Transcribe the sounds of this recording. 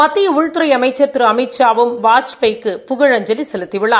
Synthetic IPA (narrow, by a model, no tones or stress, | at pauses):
mɐt̪ːɪjɐʊɻɯt̪ːɯɾɐɪɐmɐɪt͡ʃːɐt̪ːɯɾɯɐmɐɪt͡ʃːaːʋɯmʋaːt͡ʃpɐɪkːɯpʊɣɐɻɐɲd͡ʒɐlisɛlɯt̪ːɪʋɪɭːaː